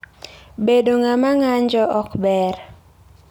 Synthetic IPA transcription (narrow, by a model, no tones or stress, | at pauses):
bedoŋamaŋaɲd͡ʒɔʔɔkbɛr